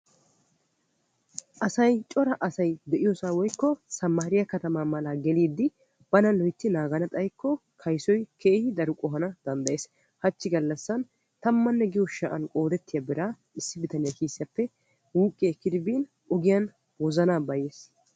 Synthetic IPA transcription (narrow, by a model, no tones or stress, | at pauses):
ʔɐsɐjt͡ʃʼɔɾɐʔɐsɐjd̪ɛʔɪjɔsaːwɔjkːɔsɐmːaːɾɪjɐkɐt̪ɐmaːmɐlaːɡɛliːd̪ːɪ | b̥ɐnɐlɔjt̪ːɪnaːɡɐnɐt̪ʼɐjkːɔkʰɐjsɔjkʰeːhɪd̪ɐɾʊkʼɔɦɐnɐd̪̥ɐnd̪ɐjeːs | hɐt͡ʃːɪɡɐlːɐsːɐn | t̪ɐmːɐnːɛɡɪjɔʃɐʔɐnkʼo̞ːd̪ɛt̪ːɪjɐbɪɾaː | ɪsːɪbɪt̪ɐnɪjɐkiːsːɪjɐpːɛ | wuːkʼːeːkːɪd̪ɪbiːn | ɔɡɪjɐn | wɔzɐnaːbɐjeːs